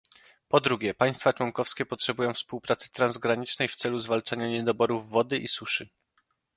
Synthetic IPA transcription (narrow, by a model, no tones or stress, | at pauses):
pɔd̪ɾuɡʲɛpaj̃st̪fat͡ʂwɔŋkɔfskʲɛpɔtʂɛbujɔ̃w̃fspuwpɾat̪sɘ̥t̪ɾanzɡɾaɲit͡ʂnɛjft̪sɛluzvalt͡ʂaɲaɲɛd̪ɔbɔɾuvːɔd̪ɘʔisuʂɘ